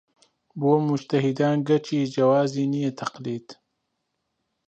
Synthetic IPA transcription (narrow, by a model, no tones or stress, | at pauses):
boːmʊd͡ʒt̪ɐɦid̪aːnɡɐt͡ʃiːd͡ʒɐwaːziːnijet̪ʰɐqliːd̪̥